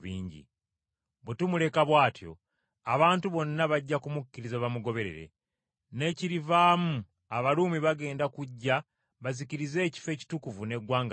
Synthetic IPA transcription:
βiːɲɟḭ | βwetumule̞kaβwaːtjo̞̰ | aβaːntuβo̞nːaβaɟːakumukːiɾizaβamuɡo̞βe̞ɾe̞̰ɾe̞̰ | ne̞ːciɾivaːmu | aβaluːmiβaɡe̞ːndakuɟːa | βaziciɾize̞ːci̥fe̞ːci̥tukuvune̞ɡwaːŋɡ

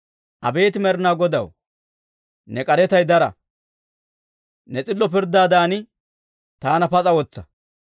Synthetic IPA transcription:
ʔɐbe̞ːt̪ɪmɛɾɪnaːɡɔd̪ɐ̰w | nɛkʼɐɾɛt̪ɐjd̪ɐɾɐ̰ | nɛt͡sʼɪlːɔpɪɾd̪aːd̪aːnɪ | t̪aːnɐpɐt͡sʼɐwɔt͡sːɐ̥

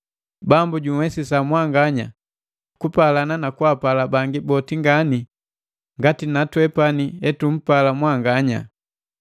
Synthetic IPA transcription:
bambuɟuwɛsisamwaŋɡaɲa̰ | kupalananakuapalabaŋɡibɔtiŋɡani | ŋɡatinatwɛpaniɛtum̩palamwaŋɡaɲa̰

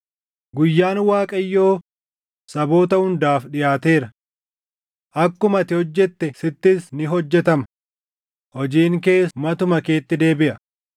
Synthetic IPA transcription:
ɡʊjːaːnwaːkʼɐjːo̞ː | sɐbo̞ːt̪ɐhʊnd̪aːfɗɪjaːt̪e̞ːɾɐ | ʔɐkːʊmɐt̪ɪhɔd͡ʒːɛt̪ːɛsɪt̪ːɪsnɪɦɔd͡ʒːɛt̪ɐmɐ | hɔd͡ʒiːŋke̞ːmɐt̪ʊmɐke̞ːt̪ːɪd̪e̞ːbɪʔɐ

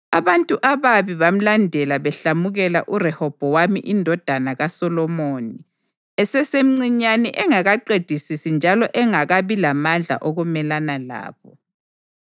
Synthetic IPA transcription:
aβantʼuʔaβaβiβam̩landʱɛlaβɛɬamuɣɛla̰ʔurɛhɔb̥ʱɔwamiʔindʱɔd̥ʱanaɣasɔlɔmoni | ɛsɛsem̩ŋ͡ǀiɲanɛʔɛŋaɣaǃed̥ʱisisind͡ʒʱalɔʔɛŋaɣaβilamand͡ɮʱa̰ʔoɣumɛlanala̰ːβɔ

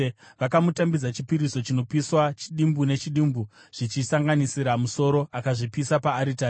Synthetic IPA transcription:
ʋakamutambid͡zat͡ʃipiɾiso̞t͡ʃino̞piswat͡ʃiɗimbune̞t͡ʃiɗimbuʐ̥it͡ʃisaŋɡanisiɾamuso̞ɾo̞ʔakaʐipisapaːɾitaː

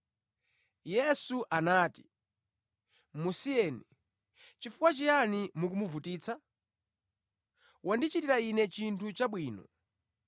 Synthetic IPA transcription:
jɛsuʔanaːti̥ | musiɛːni | t͡ʃifukwat͡ʃijanimukumuvutiːt͡sʰa | wʔandit͡ʃitiɾainɛt͡ʃintʰut͡ʃaɓwiːnɔ

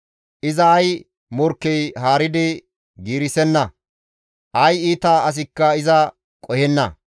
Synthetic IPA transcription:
ʔɪzɐːj | mɔɾkːɛjɦaːɾɪd̪ɪ | ɡiːɾɪsɛnːɐ | ʔɐjiːt̪aːɐs̬ɪkːɐɪzɐ | kʼɔjɛnːɐ̰

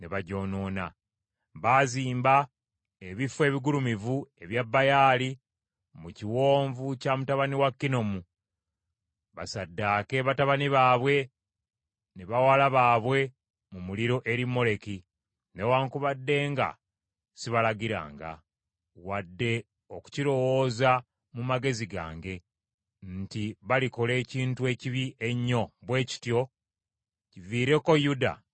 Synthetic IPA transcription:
neβaɟo̞ːno̞ːna | βaːziːmba | eβifwe̞ːβiɡulumivue̞βjabːajaːli | muciwo̞ːɱvucamutaβaniwakːino̞mu | βa̰sadːaːkeβataβaniβaːβwe̞ | neβawalaβaːβwe̞ | mumuliɾo̞ʔe̞ɾimːo̞le̞ki | newaːŋkuβadːe̞ːŋɡa̰ | siβalaɡiɾa̰ːŋɡa̰ | wadːe̞ | oku̥ciɾo̞wo̞ːza | mumaɡe̞ziɡa̰ːŋɡe̞ | ntiβaliko̞le̞ːciːntue̞ːciβie̞ɲːo̞βwe̞ːci̥tjo̞ | civiːɾe̞ko̞juda̰

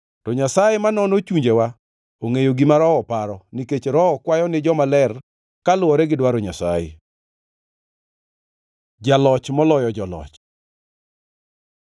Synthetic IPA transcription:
tɔɲasajemanɔnot͡ʃuɲd͡ʒewa | oŋejoɡimaɾɔɔpaɾɔniket͡ʃɾɔɔkwajɔnɪd͡ʒɔmalɛr | kalʊwɔɾɛɡɪdwaɾoɲasa̰jɪ̰ | d͡ʒalɔt͡ʃmɔlɔjɔd͡ʒɔlɔ̰t͡ʃ

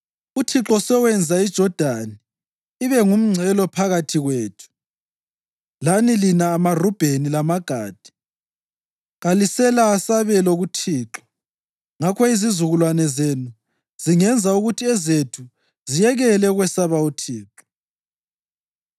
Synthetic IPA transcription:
utʰiǁɔsɛwɛnd͡zʱaid̥ʒ̥ʱɔd̥ʱani | iβɛŋum̩ŋ͡ǀʱɛlɔpʰaɣatʰiɣweːtʰu̥ | lanilinaːmarub̥ʱenilamaɡ̥ʱa̰ːd̥ʱi̥ | ɣalisɛlaːsaβɛloɣutʰiːǁɔ̥ | ŋakʰɔizizuɣulwanɛzenu | z̥iŋɛnd͡zʱauɣutʰiɛzetʰu | zijɛɣɛlɛɣwɛsaβautʰiːǁɔ̥

